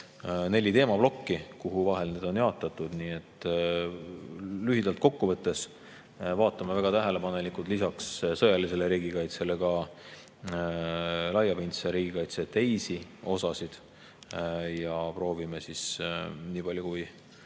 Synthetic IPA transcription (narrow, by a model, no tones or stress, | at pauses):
ne̞lʲit̪e̞ːmɑb̥lo̞kːikuɦuvɑɦe̞lneːd̪o̞njɑːt̪ːˑɑt̪ːud̪̥niːe̞t̪ˑː | lyɦid̪̥ɑlt̪̚ko̞kːuvɤt̪ːˑe̞s | vɑːt̪ːˑɑmevæɡ̥ɑt̪æɦele̞pɑne̞likˑult̪ˑlisɑkssɤjɑlise̞leɾiːɡikɑjt̪se̞le̞kɑ | lɑjɑpint̪sɑɾiːɡ̥ikɑjt̪se̞t̪e̞jsio̞sɑsid̪̥ | jɑpro̞ːvimesisniːpɑlʲjukuj